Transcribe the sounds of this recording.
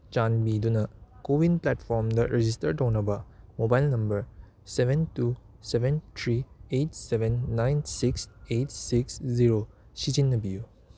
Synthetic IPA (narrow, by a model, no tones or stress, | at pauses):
t͡ʃanbidunɐkowinplatpʰɔɾmdɐɾed͡ʒistɐɾtɐwnɐbɐmobajlnɐmbɐɾ | sebʱentu | sebʱentʰɾiet̚sebenːajnsiksetsiksziɾo | sid͡ʒinːɐbiju